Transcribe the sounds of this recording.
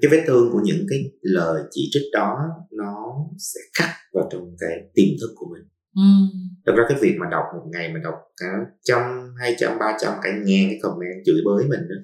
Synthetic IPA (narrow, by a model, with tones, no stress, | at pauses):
aː˨˦ve˨˦t̪ʰɨ˧əŋku˧˩əɲɨ̰˧˥ŋkaː˨˦jləː˨˩jt͡ɕi˧˩t͡ɕi˦˥t̚ɗɔ˨˦nɔ˨˦sɛ̰˧˥xa˦˥t̚vaː˨˩wt͡ɕɔ˧wŋ͡mkaː˨˦jt̪i˨˩mt̪ʰɨ˦˥k̚ku˧˩əmï˨˩ŋ̟˩ | ɗ̪a˨˩k̚zaː˧aː˨˦jvi˨˩ək̚maː˨˩ɗa˨˩wk͡p̚mo˨˩t̚ŋa˨˩jmaː˨˩ɗa̰˨˩wk͡p̚kaː˧˩˦t͡ɕɔ˧ŋ͡mɦaː˧jt͡ɕa̰˧mɓaː˧t͡ɕa˧mkaː˧˩ɲaː˨˩kaː˨˦jkə˨˩wŋ͡mʔaː˧nzɨ̰˧˩əjɓəː˨˦jmï˨˩ŋ̟ʔɨ̰˧˨˦